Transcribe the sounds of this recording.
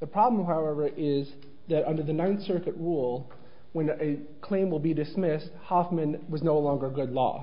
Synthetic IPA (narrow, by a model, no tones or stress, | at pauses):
ðəpʰɹ̥ɑblə̃m̩ɦaʊɛvə˞ʔɪz | ðɨɾʌ̃ndə˞ðɨnãɪ̃nsɜ˞kɨʔ̚ɹulˠ | wə̃nɨ | kʰl̥ẽɪ̃mwəlˠbidɨsmɪst̚hɑfmɨ̃nwʌznoʊlɔ̃ŋɡə˞ɡʊdˡlɔ̰